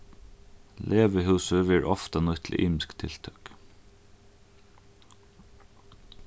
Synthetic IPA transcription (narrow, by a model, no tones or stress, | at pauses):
lʔeːʋəɦʉːsəʋɛːɹʔɔft̪anɔt̪ʰlɪ̰ʔiːmɪskt̪ʰɪlt̪ʰœk